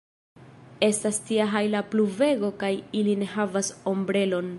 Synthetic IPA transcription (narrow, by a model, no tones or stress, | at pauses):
e̞stastiaɦajlapluve̞ɡo̞kajiline̞ɦavaso̞mbɾe̞lo̞n